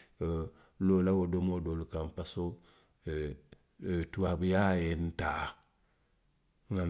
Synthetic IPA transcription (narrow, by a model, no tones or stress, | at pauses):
lolawodomodolukampaso | tuwabijajenta | ŋa